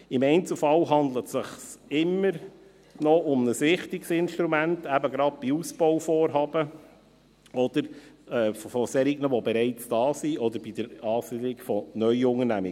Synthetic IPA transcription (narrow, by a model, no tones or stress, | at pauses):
ɪmɛɪnt͡sl̩fɑwɦɑnd̪lətsɪχsɪmːəɾ | nɔʊmnəsʋɪχtɪksɪnʃtɾumæntæbəɡɾɑt̚b̥iusb̥ɔwfɔːɾɦɑːb̥ə | ɔd̥̪əɾɛːffɔsɛɾɪɡnəʋɔbɛɾɛɪt͡sd̥ɑːsiɔd̪əɾb̥id̥əɾɑːsidɪkfɔnœʏʊŋənæmɪ